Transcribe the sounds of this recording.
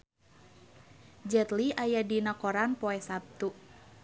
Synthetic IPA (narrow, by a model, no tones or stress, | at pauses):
d͡ʒɛt̪liʔajadinakɔɾanpɔɛsap̚t̪u